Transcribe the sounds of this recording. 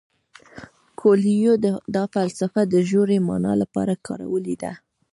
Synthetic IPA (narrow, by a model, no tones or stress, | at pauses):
kʰolijod̪əd̪ɑfalsafad̪əʒoɾemɑ̰nɑ̰lapɑ̰ɾakʰɑɾa̰wəlid̪a̰